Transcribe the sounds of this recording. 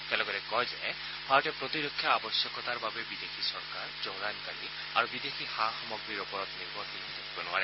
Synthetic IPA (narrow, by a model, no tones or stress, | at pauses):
tealɔɡɔɾɛkɔjd͡ʒa̰j | hɔaʈɛpɾɔt̪iɾokʰːjɔabɔsjɔkɔt̪aɹbabebid̪exʰisɔɾkaɹd͡ʒowɹankaɽi | a̰ɹubid̪exʰihaxɔmɔɡɾiɾɔpɔɾɔt̪niɾbɔtinidekʰibɔnua̰ɾe